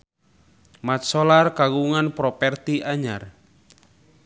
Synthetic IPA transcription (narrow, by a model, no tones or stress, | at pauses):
mat̪̚sɔlarkaɡuŋanpɾɔpɛrt̪iaɲa̰r